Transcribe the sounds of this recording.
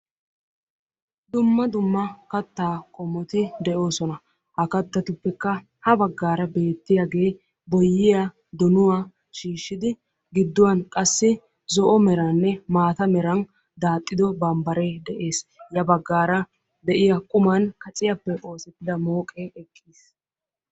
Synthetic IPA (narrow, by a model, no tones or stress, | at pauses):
d̪ʊmːɐd̪ʊmːɐkɐt̪ːaːkʼɔmːɔt̪ɪd̪ɛʔo̞ːsɔnɐ | hɐkɐt̪ːɐt̪ʊpːɛkːɐ | hɐbɐɡːaːɾɐbe̞ːt̪ːɪjaɡe̞ː | bɔjːɪja | d̪ɔnʊwa | ʃiːʃːɪd̪ɪ | ɡɪd̪ːʊwɐnkʼɐsːɪ | zɔʔɔmɛɾɐnːɛmaːt̪ɐmɛɾɐn | d̪aːt̪ʼːɪd̪ɔbɐmbɐɾed̪ɛʔe̞ːsjɐbɐɡːaːɾɐ | d̪ɛʔɪjɐkʼʊmɐnkɐt͡sʼɪjɐpːɛʔo̞ːsɪt̪ːɪd̪ɐmoːkʼeʔɛkʰːiːs